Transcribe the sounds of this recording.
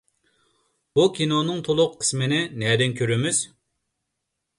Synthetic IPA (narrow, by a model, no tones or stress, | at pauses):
b̥ukʲinonɨŋt̪ʰolˠʊqʰːə̥smɪnɪnɛd̪ɪnkʲʰøɾymyz̥